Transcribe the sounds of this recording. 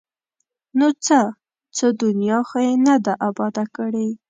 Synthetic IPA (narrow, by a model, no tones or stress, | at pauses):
not͡sə | t͡səd̪ʊnjɑxojenad̪aʔabɑd̪akəɽe